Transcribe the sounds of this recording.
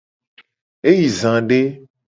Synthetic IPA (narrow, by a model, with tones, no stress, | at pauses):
e˦ji˨zã˨ɖe˦